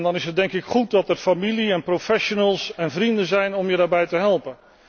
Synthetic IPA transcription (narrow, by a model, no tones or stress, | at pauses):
ndɑnɪsɦət̚dɛŋkɪkχut̚dɑtɛrfamiliɛnprofɛʃonəlˠsɛnvrindənzɛjnɔmjədaːɹbɛjtəɦɛlˠpən